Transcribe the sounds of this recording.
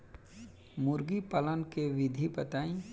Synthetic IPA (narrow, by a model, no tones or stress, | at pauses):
mʊɾɡipələnkeʋɪd̪ʱipət̪aːĩ